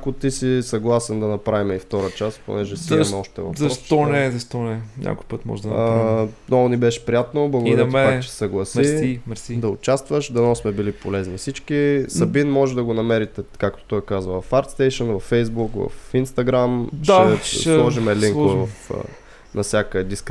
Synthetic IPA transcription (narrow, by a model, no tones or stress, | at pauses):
kot̪isisɐɡlˠasɛnd̪ɐnɐpɾavimɛift̪ɔɾət͡ʃaspo̰nɛʒɛsɛmɛɔʃt̪ɛ̰vɐ̰fzɐɾɔʃsɔnɛzɐʃt̪ɔnɛɲʲa̰kʊjpɤt̪mɔ̰ʒɛd̪ɐnanɔɡʊnibɛʃɛ̥pɾijat̪noblˠɐɡʊd̪ɐɾɐt̪akt͡ʃɛsɛ̥sɐɡlˠɐsiimɾid̪ɐʊt͡ʃast̪vəʃd̪ɐnɔsmɛbilipolɛznifsit͡ʃkisɐbinmɔʒɛd̪ɐɡonɐmɛɾit̪ɛkakt̪o̥t̪ɔjkazvəvɐfaɾt̪st̪ɛjʃənvɐfːɛjzbukvɐ̰finst̪ɐɡɾamdt͡ʃ̪aɛlˠɔʒimɛliŋkvɐf | nɐfsʲjakəd̪isk